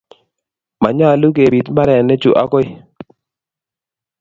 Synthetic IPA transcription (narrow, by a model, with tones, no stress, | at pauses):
ma˨ɲa˦˨lu˦ke˨bi˨tma˦ɾɛ˨nɛ˦t͡ʃu˨ʔa̰˦kɔ˦ɪ˦